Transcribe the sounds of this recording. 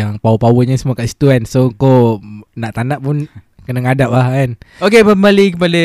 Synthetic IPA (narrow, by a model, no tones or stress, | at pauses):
jaŋpawupawəɲəsəmuakaʔsi̥t̪uansoŋkonaʔt̪anaʔpun | kənaŋadap̚lahkanokeməməlikəp̬ada